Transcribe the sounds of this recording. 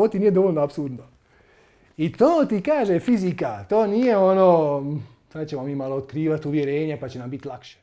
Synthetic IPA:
ot̪iniːjed̪o̞ʋoʎʲnoapsuɾd̪no | it̪oːt̪ikaːʒefizikat̪o̞ːniːje̞onoː | sad̪t͡ɕemomiːmaloːd̪kɾiːʋat̪uʋjeɾeːɲepat͡ɕenambit̪lˠakʃe̥

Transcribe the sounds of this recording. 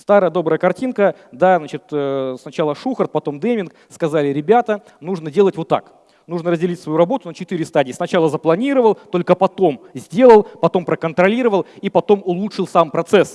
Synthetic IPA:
st̪aɾəjəd̪obɾəjəkɐrtʲinkəd̪aznat͡ɕɪt̪ːsnɐt͡ɕalˠəʂuxərt̪̚pɐt̪o̞md̪emʲɪnk | skɐzalʲɪɾʲɪbʲat̪ə | nuʐnədʲe̞lˠətʲvo̞t̪ːa̰k | nuʐnəɾəzʲdʲɪlʲitʲsvɐjuɾɐbot̪ʊnət͡ɕɪt̪ɨɾʲɪst̪adʲɪjəsnɐt͡ɕalˠəzəplˠɐnʲiɾəvəlˠt̪o̞lʲkəpɐt̪o̞mzʲdʲe̞lˠəlˠpɐt̪o̞mpɾəkənt̪ɾɐlʲiɾəvəlˠipɐt̪o̞mʊlˠutʂɨlˠsampɾɐt̪sɛs

